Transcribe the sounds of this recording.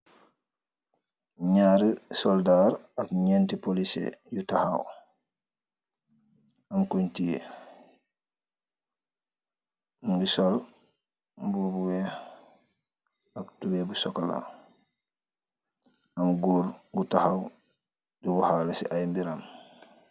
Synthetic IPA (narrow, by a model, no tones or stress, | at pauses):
ɲaːɾisɔldaɾakɲɛntipolisḛjutahaw | amkuɲtijḛ | ɡisɔl | bubuwɛ | ak̚tubebusɔkala̰ | amɡuːɾɡutahaw | diɡuhalesḭʔajmbiɾam